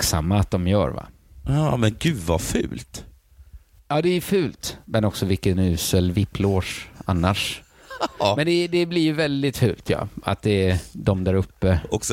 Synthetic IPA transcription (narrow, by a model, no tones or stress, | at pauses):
ksa̰mːaːt̪̚d̪ɔmjœ̰ːɾva̰ | ɑmɛnɡʉːd̪va̰fʉ̰ːlt̪ | jɑːd̪ɛæjfʉ̟ːlt̪mɛnɔksɔvɪlkːənʉ̟ːsəlvɪpʰːloːʂa̰nːaʂ | mɛnd̪ɛd̪ɛblɪjɵvɛld̪ɪt̪fʉ̟̰ːlt̪ʰjɑ̰ːa̰t̪̚d̪ɛd̪ɔmd̪æɾɵpːəɔks